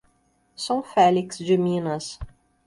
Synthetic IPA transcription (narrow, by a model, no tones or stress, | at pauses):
sɐ̃w̃fɛliksd͡ʒɪmĩnɐs